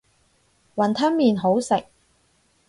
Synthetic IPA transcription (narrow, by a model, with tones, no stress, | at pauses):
wɐ˨nt̪ʰɐ˥mmiː˨nɦo˨˥wsɪ˨k̚